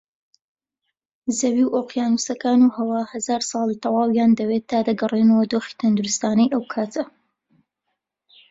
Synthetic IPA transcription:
zɐwiwʔoːqjaːnusɐkaːnuhɐwaːhɐzaːɾsˤɑːlˠit̪ʰɑwɑːwjaːnd̪ɐweːt̪ːaːd̪ɐɡɐreːnɐwɐd̪oːxi̥t̪ʰɐnd̪uɾɨst̪aːnɐjʔɐwkʰaːt̪ʰɐ

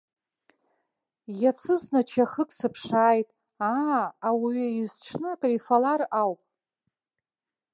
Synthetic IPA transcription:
jat͡sʰɨznat͡ʃʰaχəkʼsɨpʰʂaːjtʼ | aːwiɥɪizʈ͡ʂʰnɨakʼrifalarawpʼ

